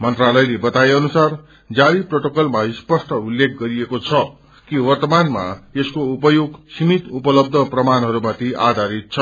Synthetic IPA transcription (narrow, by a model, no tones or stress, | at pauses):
mʌnt̪ralʌjlebʌt̪aeʌnusar | d͡zaɾiproʈokʌlmaispʌsʈʌulːek̚ʰɡʌɾiekot͡sʰʌ | kiwʌrt̪ʌmanma̰eskoupʌjoɡsimit̪upʌlʌb̚d̪ʱʌprʌmanɦʌɾumat̪ʰiʔa̰d̪ʱaɾit̪̚t͡sʰʌ